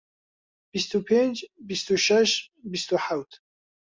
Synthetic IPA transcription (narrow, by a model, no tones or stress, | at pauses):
b̥ist̪upʰend͡ʒbist̪uʃɛʃbist̪uħawt̪ʰ